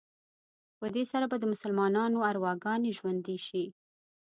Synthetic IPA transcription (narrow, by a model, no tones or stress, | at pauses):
pəd̪esaɾabad̪əmʊsalmɑnɑnoaɾwɑɡɑneʒwand̪eʃi